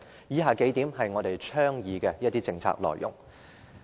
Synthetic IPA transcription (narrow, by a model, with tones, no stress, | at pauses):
jiː˨˥ɦaː˨ke˨˥jt̪iː˨˥mɦɐ˨jŋɔː˨˧t̪e˨jt͡ʃʰœː˥ŋjiː˨kɛ˧jɐ˥t̪iː˥t͡sɪ˧ŋt͡sʰa̰ː˧˥k̚lɔ̰ː˨˩jːʊ̰˨˩ŋ